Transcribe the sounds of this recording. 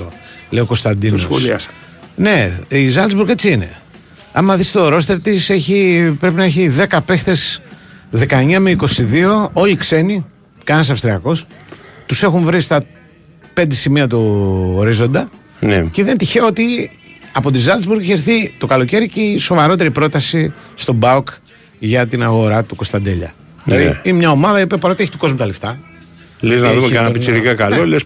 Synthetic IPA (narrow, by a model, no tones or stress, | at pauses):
o̰leioko̞st̪ɐnd̪inosolɐ̰s | ne̞izɐlzbuɾɣet͡siine̞̰ | ɐ̰mmɐθist̪oɾo̞st̪e̞ɾt̪ise̞çipɾe̞p̬inɐeçiðe̞kɐpe̞xt̪e̞sðe̞kɐeɲɐmeiko̞siðio̞o̞likse̞ni | kɐnɐs̬ɐfst̪ɾiɐko̞st̪use̞xuɱvɾist̪ɐ | pe̞nd̪e̞simiɐt̪uːɾizo̞nd̪ɐ | nceðe̞nt̪içeot̪iɐpo̞t̪̬izɐld̪ezbuɾueçeɾθit̪o̞kɐlo̞ce̞ɾiceso̞vɐɾo̞t̪e̞ɾipɾo̞t̪ɐsist̪o̞bɐuk | ʝɐt̪inɐɣo̞ɾɐt̪uko̞st̪ɐnd̪e̞ʎɐ̰ | ðilɐðḭinemɲɐo̞mɐðɐio̞piɐpɐɾo̞t̪ieçit̪oko̞zmut̪ɐleft̪ɐ | leznɐðumeɐnɐpisiɾikɐkɐloles